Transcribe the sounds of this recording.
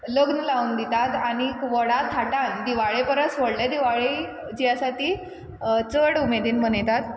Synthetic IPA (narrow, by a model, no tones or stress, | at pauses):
ləɡnilaʋund̪it̪at̪añikʋɔɽat̪ʰːaʈãnd̪iʋaɭepəɾəsʋɔɽled̪iʋaɭe | d͡ʑijasaʈiː | t͡səɽumed̪iːnmənjt̪at̪